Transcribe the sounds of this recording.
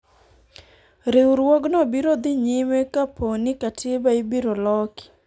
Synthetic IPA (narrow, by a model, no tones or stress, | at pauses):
ɾɪwɾwɔɡnɔbiɾod̪ɪɲɪmekaponɪkatɪbaibiɾolɔki̥